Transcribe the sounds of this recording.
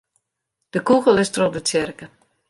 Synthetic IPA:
d̥əkuɣəlˠɪstrodət͡sɪrkə

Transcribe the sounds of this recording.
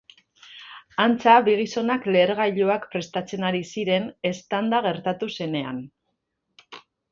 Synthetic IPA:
ant͡saβiɣ̞iso̞nakle̞ːɾɣajʎoakpɾe̞st̪at͡se̞naɾisiɾe̞ne̞st̪and̪aɣ̞e̞ɾt̪at̪use̞ne̞a̰n

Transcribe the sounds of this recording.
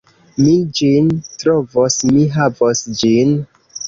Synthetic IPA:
mid͡ʒintɾovosmiɦavosd͡ʒin

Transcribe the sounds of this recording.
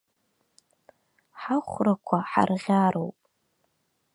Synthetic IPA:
ħaχʷrakʷʰaħa̰rʁʲaːɾowpʼ

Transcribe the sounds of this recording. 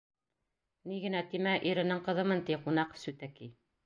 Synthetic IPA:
niɡɘ̆næt̪imæʔiɾɘ̆nɘŋqɤ̆ðɤ̆mɤnt̪iqunɑqsʉt̪æki

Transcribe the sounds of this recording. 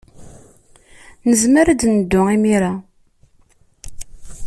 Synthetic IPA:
nəzməɾad̪nəd̪ːʊimiɾa

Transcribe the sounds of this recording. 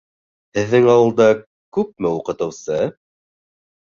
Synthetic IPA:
hɘ̆ðːɘŋɑwɤ̆lˠd̪ɑ | kʉp̚mɘuqɤ̆t̪ɤ̆wsɤ

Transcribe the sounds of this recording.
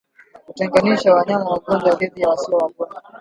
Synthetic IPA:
utɛŋɡaniʃawaɲamawaɡɔnd͡ʒaaɗɛðijawasiɔwakɔla

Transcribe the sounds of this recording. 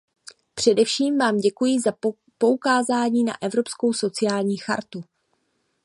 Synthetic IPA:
pr̝̥ɛdɛfʃiːmvaːmɟɛkujɪza | po̞ukaːzaːɲiːna̰ʔɛvɾo̞psko̞wso̞t͡sɪjaːlɲiːxa̰ɾt̪u

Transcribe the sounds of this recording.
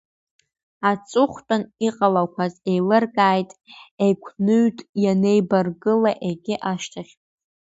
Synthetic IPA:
at͡sʼʊχʷtʼaniqʼalakʷʰaze̞jlɨrɡaːjtʼejkʷʰnɨɥtʼjane̞jbarɡɨlaʔeɡʲɪʔaʃtʰaχʲ

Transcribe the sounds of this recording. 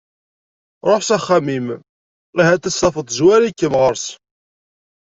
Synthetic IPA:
ɾˤoħsæχːæmim | iɦæt̪æsːɑfəðˤzwæɾikːəmʁəɾs

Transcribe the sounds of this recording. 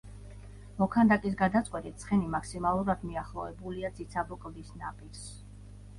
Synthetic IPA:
mɔkʰand̪akʼis̬ɡad̪at̪sʼqʼwɛt̪ʼit̪̚sʰχɛnimaksimalˠuɾad̪miaχlˠɔɛbuliad̪zit̪sʰabɔkʼlˠd̪isnapʼiɾs

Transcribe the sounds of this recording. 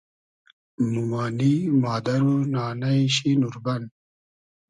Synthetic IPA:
mumaːnimɑːd̪ɐɾunɑːnajɕinuɾban

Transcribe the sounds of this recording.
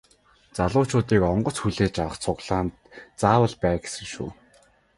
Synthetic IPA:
t͡saɮʊːt͡ɕʰʊːt̪iːkɔɴɢɞ̆t͡sxuɮeːt͡ɕawə̆χt͡sʰʊɣɮ̥aːnt̪t͡saːwə̆ɮpæːɡe̥sɘ̆kʃṵː

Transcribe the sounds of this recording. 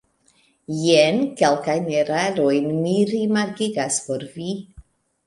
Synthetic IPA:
jenkelkajneɾaɾojnmiɾimaɾkiɡaspo̞ɾvi

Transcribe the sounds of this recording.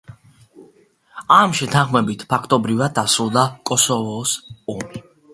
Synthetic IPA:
amʃɛt̪ʰãnχmɛbit̪ʰpʰakʰt̪ʼɔbɾivad̪̚ːasɾulˠd̪akʼɔsɔvɔsɔmi

